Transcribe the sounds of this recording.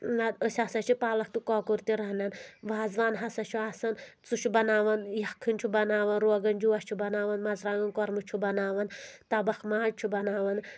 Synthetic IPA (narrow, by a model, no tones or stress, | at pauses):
nad̪əsʲasɐt͡ʃʰipaːlɐk̚t̪ukɔːkuɾt̪iɾɐɦnɐnʋaːzʋaːnɦɐsɐt͡ʃʰuaːsɐn | t͡suʃʰubɐnaːʋɐnjɐkʰːɨnʲt͡ʃʰubɐnaːʋɐnɾoːɡɐnd͡ʒuʋɐst͡ʃʰubɐnaːʋɐnmɐzɾaːŋɡɐnkɔɾmɨt͡ʃʰubɐnaːʋɐnt̪ɐbɐxmaːt͡ʃʰubɐnaːʋɐn